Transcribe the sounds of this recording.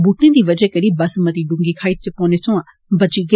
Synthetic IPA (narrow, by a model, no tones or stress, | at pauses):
buʈnẽd̪iːʋɐd͡ʒɛkɐɾibɐsmɐt̪iɖũŋɡikʰaːitepɔːnet͡ʃõːã | bɐd͡ʒiɡ